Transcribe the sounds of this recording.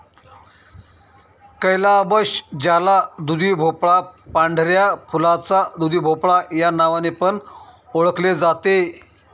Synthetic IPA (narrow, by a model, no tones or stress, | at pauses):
kəjlaəbəɕd͡ʑalad̪ud̪ibʱopɭapaɳɖʱɾjapʰulat͡sad̪ud̪ibʱopɭajanaʋanepəɳ | oɭəkled͡zat̪e